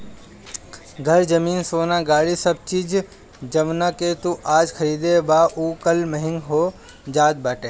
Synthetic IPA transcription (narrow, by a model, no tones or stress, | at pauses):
ɡʱɐɾd͡ʒɐmiːnsoːnaɡaːɭisɐb̚t͡ʃiːd͡ʒ | d͡ʒɐʋnaket̪uʔaːd͡ʒkʰɐɾiːd̪ebaːʔuːkɐlməɦɪ̃ŋɡɦoː | d͡ʒaːd̪̚baːʈeː